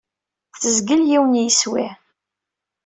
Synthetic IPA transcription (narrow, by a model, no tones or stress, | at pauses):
θəzɡəljiwənjiswḭ